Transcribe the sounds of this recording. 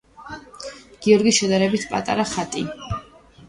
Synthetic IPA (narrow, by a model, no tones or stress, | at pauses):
ɡ̥iɔɾɡisʃɛd̪aɾɛbit̪ʰpʼa̰t̪ʼa̰ɾaχat̪ʼi